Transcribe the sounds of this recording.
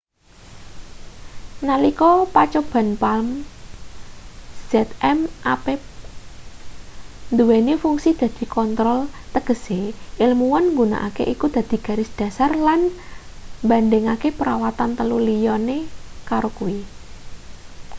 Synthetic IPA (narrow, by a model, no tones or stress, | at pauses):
nalikɔpat͡ʃob̥a̤npalm | z̥ɛt̪ɛmʔape | nd̪uwenifuŋsid̪̥ä̤d̪̥i̤kɔnt̪ɾɔlt̪əɡ̥ə̤seʔɪlmuwɔnŋɡuna̰ʔa̰kḛʔikud̪̥a̤d̪̥i̤ɡ̥ä̤ɾɪsd̪̥ä̤sarlan | mband̪ɛŋakepəɾawat̪ant̪əlulijɔnekaɾokuwi